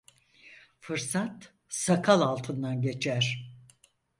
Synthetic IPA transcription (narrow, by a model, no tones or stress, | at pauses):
fɯɾsat̪ | sakʰalˠalˠt̪ʰɯnd̪anɟe̞t͡ʃʰæɾ̥